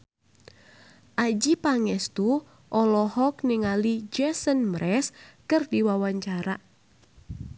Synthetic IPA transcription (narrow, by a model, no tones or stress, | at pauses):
ʔad͡ʒipaŋɛst̪u | ʔɔlɔhɔk̚nɪŋalid͡ʒɛsənmɾɛskɨrdiwawaɲt͡ʃaɾa